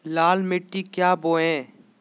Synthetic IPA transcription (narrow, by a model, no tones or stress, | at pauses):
laːlmɪʈːikjaːboːɛ̃ː